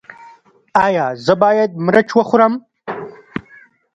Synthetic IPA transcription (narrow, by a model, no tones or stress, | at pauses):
aːjaːzəbaːjed̪̚mɾɐt͡ʃʰwɐxʊɾɐm